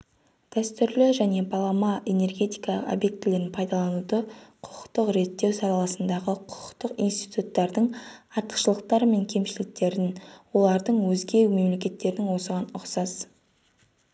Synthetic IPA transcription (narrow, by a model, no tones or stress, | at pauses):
d̪̥æst̪ʏɾlɪʒæne̞bɑlˠɑmɑʔe̞ne̞rɡʲe̞t̪ijkɑlˠəqo̰bje̞k̚t̪ːɪle̞ɾɪnpʰɑjd̪ɑlˠɑnud̪əqʰʊ̥qə̥qt̪əqɾe̞t̪ːe̞wsɑɾɑlˠɑsənd̪ɑʁəqʰʊ̥qʰə̥qt̪əqḭjnst̪ijt̪ut̪ːɑɾd̪əɴɑɾt̪ə̥qʃəlˠəq̚t̪ɑɾme̞ŋkʲʰe̞mʃɪlɪk̚t̪e̞ɾɪnwo̞lˠɑɾd̪əɴwɵzɡʲe̞wme̞mle̞kʲe̞t̪ːe̞ɾɪnɪŋwo̞səʁɑnʊqsɑz